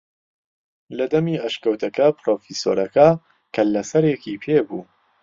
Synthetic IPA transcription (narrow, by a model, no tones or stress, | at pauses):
lɐd̪ɐmiːɐʃkɐwt̪ʰɐkɐpɾoːfiso̰ːɾɐkɐ | kʰɐlɐsɐɾjekiːpʰeːbuː